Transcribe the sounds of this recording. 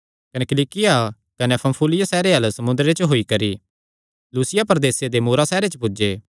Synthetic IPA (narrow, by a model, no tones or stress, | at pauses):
kɐnɛkɪliːkɪja | kɐnɛ̃pʰɐ̃mpʰuːlɪjasɛːɾeɦɐlsɐmʊ̃nd̪ɾet͡ʃɦoːikɐɾi | luːsɪjapɐɾd̪eːsed̪emuːɾasɛːɾet͡ʃpʊd͡ʒeː